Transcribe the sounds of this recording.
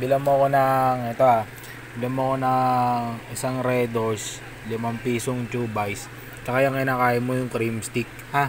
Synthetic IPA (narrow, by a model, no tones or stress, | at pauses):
bɪlɐmoɐko̞nɐŋʔɛt̪o̞ʔa | bɪlɐmːoɐko̞nɐŋɪsaŋɾɛd̪os | lɪmɐmpiːsoŋt͡ʃubajs | t͡ʃɐkajɐŋkɪnaːkaːjɪmojʊŋkɾimst̪ɪk̚ | ha